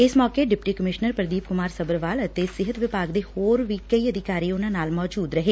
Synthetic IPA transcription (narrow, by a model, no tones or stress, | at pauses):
ɪsmɔːkeɖɪpʈiːkəmɪʃnəɾpɾəd̪iːp̚kʊmaːɾsəbəɾʋaːlət̪esɪɦət̪ʋɪpaːɡd̪eːhoːɾʋiːkəiːəd̪ʱɪkaːɾiːʊnãːnaːlmɔːd͡ʒuːd̪ɾəɦeː